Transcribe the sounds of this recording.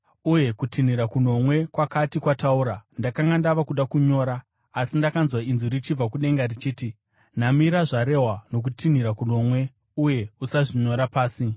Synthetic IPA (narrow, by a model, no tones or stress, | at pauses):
uje̞kutʰin̤iɾakun̤o̞mwe̞kwakatikwatauɾandakaŋɡandaʋakuɗakuɲo̞ːɾaː | sindakanzwainzuɾit͡ʃib͡vakuɗe̞ŋɡarit͡ʃiːti | n̤amiɾaʐaɾe̞ɦwano̞k̬utʰin̤iɾakuno̞mwe̞ | uje̞usaʐiɲo̞ɾapaːsi